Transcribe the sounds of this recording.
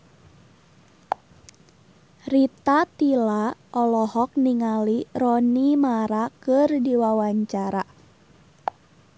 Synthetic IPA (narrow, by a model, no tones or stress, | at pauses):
rit̪at̪ilaʔɔlɔhɔk̚niŋalirɔnimaɾakɨrdiwawaɲt͡ʃaɾa